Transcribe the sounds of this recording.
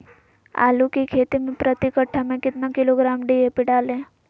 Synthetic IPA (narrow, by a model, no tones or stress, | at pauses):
a̰ːlukikʰet̪imẽpɾət̪ikəʈʰːamẽkɪt̪nakɪloɡɾaːmɖiepiɖaːlẽ